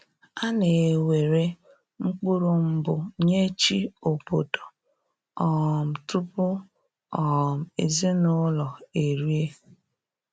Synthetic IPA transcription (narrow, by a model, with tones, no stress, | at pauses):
a˦ne˨we˨ɾe˦ | ŋ͡m̩˦k͡pu˦ɾʊ˨m̩˦bʊ˨ɲe˦t͡ʃi˦o˨po˨to̥˨ | ɔ˨m̩˨tʊ˦pʊ˦ | ɔ˨m̩˨e˨ze˦nʊ˦lɔ˨e˨ɾi˦e˦